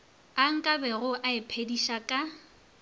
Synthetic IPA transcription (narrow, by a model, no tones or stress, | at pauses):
aŋ̩kʼabɛɣʊʔaɪpʰediʃakʼa